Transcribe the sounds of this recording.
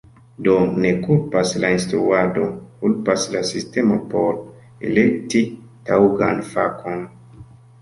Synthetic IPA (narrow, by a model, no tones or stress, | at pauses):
do̞ne̞kulpaslainstɾuadokulpaslasiste̞mopoɾ | ḛlek̚ti | tawɡanfakʰon